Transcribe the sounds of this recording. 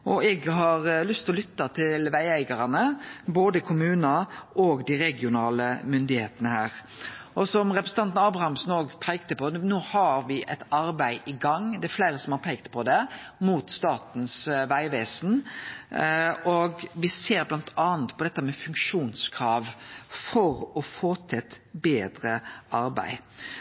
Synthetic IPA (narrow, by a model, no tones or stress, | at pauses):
ʔɔɛɡɦɑɾlʏst̪ʰɔlʏt̪ːɑt̪ʰɪlʋæɪæɪɡɑɾɑnəboːd̪əkʰʊmʉːnɑʔɔːɡd̪ɪɾɛɡɪʊnɑːləmʏnd̪ɪheːt̪ənəhæːɾ | ʔɔsɔmɾɛpɾəsn̩t̪ɑnt̪nɑːbɾɑhɑmsnoːɡpʰæɪk̚t̪əpɔnoːhɑɾʋɪʔɛt̪ɑɾbæɪʔɪɡɑŋd̪ɛæɾflæɪɾəsɔmhɑɾpʰeːk̚t̪pʰɔd̪ɛmuːt̪st̪ɑːt̪n̩sʋæɪʋeːsn | ɔɡʋɪseːɾblɑnt̪ʰɑːnt̪pʰɔd̪ɛt̪ːəmɛfʉŋkʂuːnskʰɾɑːʋfɔɾɔfoːt̪ʰɪt̪ | beːd̪ɾəʔɑɾbæ̰ɪ